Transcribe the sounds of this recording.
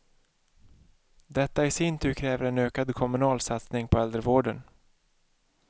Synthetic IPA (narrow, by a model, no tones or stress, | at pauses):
d̪ɛt̪ːaɪsɪnt̪ʰʉ̟ːɾkʰɾɛːvəɾɛnøːkad̪kʰɔmɵnɑːlsat̪snɪŋpʰɔɛld̪ɾəvoːɖən